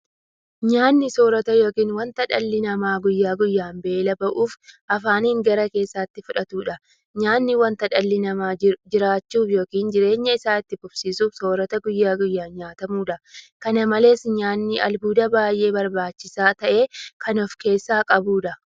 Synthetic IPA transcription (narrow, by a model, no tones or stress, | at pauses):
ɲaːnːɪso̞ːɾɐt̪ɐjo̞ːkiːnwɐnt̪ɐᶑɐlːɪnɐmaːɡʊjːaːɡʊjːaːmbe̞ːlɐbɐʔuːfʔɐfaːniːŋɡɐɾɐke̞ːsːaːt̪ːɪfʊᶑɐt̪uːᶑɐ | ɲaːnːɪwɐnt̪ɐᶑɐlːɪnɐmaːd͡ʒɪɾaːt͡ʃːuːfjo̞ːkiːnd͡ʒɪɾe̞ːɲːɐɪsaːɪt̪ːɪkʊb̥siːsuːfso̞ːɾɐt̪ɐɡʊjːaːɡʊjːaːnɲaːt̪ɐmuːᶑɐkɐnɐmɐle̞ːsɲaːnːɪʔɐlbuːd̪ɐbaːjʔe̞ːbɐɾbaːt͡ʃːɪsaːt̪ɐʔe̞ːkɐnɔfke̞ːsːaːkʼɐbuːᶑɐ